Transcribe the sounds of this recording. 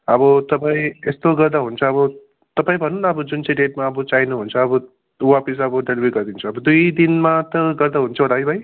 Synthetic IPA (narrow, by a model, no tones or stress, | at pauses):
ʌbʌt̪ʌpaĩest̪oɡʌrd̪aɦunt͡sʰʌːbʌ | t̪ʌpaĩbʱʌnunʌbʌd͡zunt͡seʈeʈmaʌbʌt͡sajnuɦunt͡sʰʌːbʌ | wapis̬ʌbʌɖelibʱeɡʌɾd̪int͡sʰuʌbʌd̪ujd̪inmat̪ʌɡʌrd̪aɦunt͡sʰʌd̪ajbʱʌj